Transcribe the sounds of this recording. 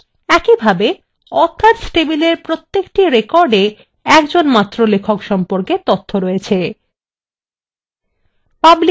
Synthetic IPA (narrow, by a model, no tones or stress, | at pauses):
ɛkibʱabe | ɔt̪ʰːat̪sʈebileɾpɾot̪ːekʈiɾekɔɾɖe | ɛkd͡ʑonmat̪ːɾolekʰokʃɔmpoɾket̪ot̪ʰːoɾɔjet͡ɕʰe | pabli